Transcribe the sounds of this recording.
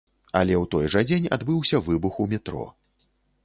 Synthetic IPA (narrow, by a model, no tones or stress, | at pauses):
ɐlʲɛwt̪ɔjʐɐd͡zʲenʲa̰d̪bɨwsʲɐvɨbuxumʲɛt̪ɾɔ̰